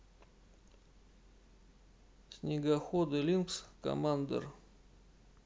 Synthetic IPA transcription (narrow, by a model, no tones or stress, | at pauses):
sʲnʲɪɡɐxod̪ɨlʲinkskɐ̰mand̪ə̰r